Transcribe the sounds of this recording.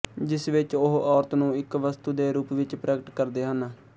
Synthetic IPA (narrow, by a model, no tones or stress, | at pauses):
d͡ʒɪsʋɪt͡ʃʊɦʔɔːɾt̪nũːɪkʋəst̪uːd̪eːɾuːpʋɪt͡ʃpɾɛːkəʈkəɾd̪eːɦən